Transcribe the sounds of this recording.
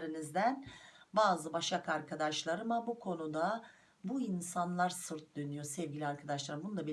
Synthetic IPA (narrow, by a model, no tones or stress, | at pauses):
ɾinizd̪ænbaːzɯbaʃakaɾkʰad̪aʃlˠaɾɯmabukʰo̞nud̪a | buinsanlˠaɾsɯɾt̪̚d̪ø̞nyjosɛvɟilʲiaɾkʰad̪aʃlˠaɾɯmbunud̪abe